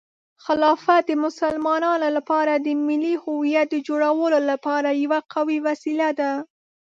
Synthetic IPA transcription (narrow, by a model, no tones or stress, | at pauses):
xalɑfat̪̚d̪əmʊsalmɑnɑnolapɑɾad̪əmɪlihuwijat̪̚d̪əd͡ʒoɽawəlolapɑɾajawaqawiwasilad̪a